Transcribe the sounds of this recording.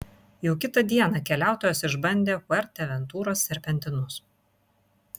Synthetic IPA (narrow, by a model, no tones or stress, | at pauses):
jɛʊkʲɪt̪ɐd̪ʲiɛnɐkʲɛlʲæˑʊt̪oːjoːsɪʒbɐnʲd̪ʲeːkʊɛɾʲt̪ʲɛʋʲɛnt̪uːɾoːsːʲɛɾʲpʲɛnʲt̪ʲɪnʊs